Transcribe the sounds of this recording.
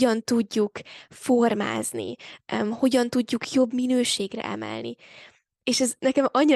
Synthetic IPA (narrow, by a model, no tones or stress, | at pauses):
ɒnt̪uɟːukfo̞rma̰ːznḭmho̞ɟɒnt̪uɟːukʰjo̞bminøːʃeːɡrɛ̰ʔɛ̰mɛ̰lnḭ | eːʃɛznɛkɛmɒɲːi